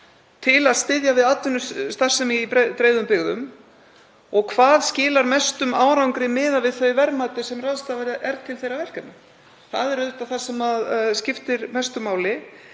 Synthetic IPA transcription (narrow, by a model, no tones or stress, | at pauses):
t̪ʰɪlaðst̪ɪðjavɪðat̪ʏnʏst̪ar̥sɛmɪipt̪ɾeːjðʏmpɪɣðʏ̰m | ɔɣkʰvaːðscɪːlaɾmɛst̪ʏmaːwɾawŋkɾɪmɪːðavɪðθœɥvɛɾmaːt̪ɪsɛmraðst̪aːvaɾʔɛɾt̪ʰɪlθejɾavɛl̥kamʏ | θa̰ðɛɾœt̪aθḁsɛmaðscɪft̪ɪɾmɛst̪ʏmaːwlɪ